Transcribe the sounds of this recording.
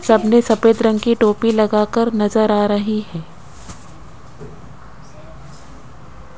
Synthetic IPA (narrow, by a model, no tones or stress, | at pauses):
sɐbnesɐpeːd̪ɾə̃ŋɡkiʈoːpilɐɡaːkəɾnɐzəɾaːɾɐɦiɦɛː